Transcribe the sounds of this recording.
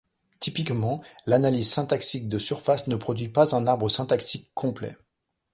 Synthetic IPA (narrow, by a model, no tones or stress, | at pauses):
t̪ipikmɑ̃lanalizsɛ̃t̪aksik̚d̪əsyʁfasnəpχɔd̪ɥipazɛ̃naʁbʁəsɛ̃t̪akt̪ikʰːɔ̃plɛ̰